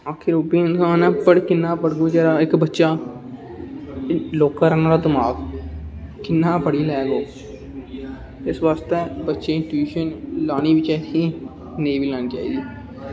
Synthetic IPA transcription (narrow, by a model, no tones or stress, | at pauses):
aːkʰɪɾoːpiɪnsãːnɛ̃pəɽkɪnːaːpəɽɡot͡ʃɛːɾaekbətːʃaː | loːkaɾɛnaːɾad̪ɪmaːɡ | kɪnːãːpəɽilɛːɡoː | ɪsʋaːst̪ebətːʃeɪ̃nʈuiːʃənlaːnibit͡ʃaːt̪ʰĩ | neːbiːlãːnit͡ʃa̰ːḭd̪iː